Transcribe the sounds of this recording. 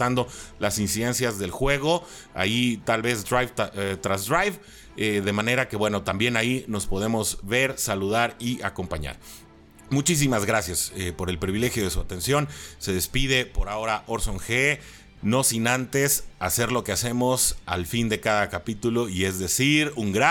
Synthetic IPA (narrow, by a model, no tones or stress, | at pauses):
t̪and̪o̞lasinsiðe̞nsjazðe̞lxwe̞ɣo̞ | a̰it̪alβe̞zd̪ɾajvt̪ɾazd̪ɾajβ | eðe̞mãne̞ɾake̞βwe̞no̞t̪ambje̞naino̞spo̞ðe̞mo̞zβe̞ɾsaluð̞aɾiako̞mpaɲa̰ɾ | mut͡ʃis̬imazɣɾasjasepo̞ɾe̞lpɾiβile̞xjo̞ð̞e̞suat̪e̞nsjo̞nse̞ðe̞spið̞e̞po̞ɾao̞ɾaʔo̞ɾso̞ŋxe | no̞sinant̪e̞sase̞ɾlo̞ke̞ase̞mo̞salfind̪e̞kaðakapit̪ulo̞ie̞zðe̞siɾuŋɡɾa